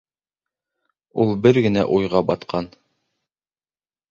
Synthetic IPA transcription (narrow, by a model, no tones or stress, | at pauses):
ulˠbɘɾɡɘ̆næ̰ʔujʁɑbɑt̪qʰɑn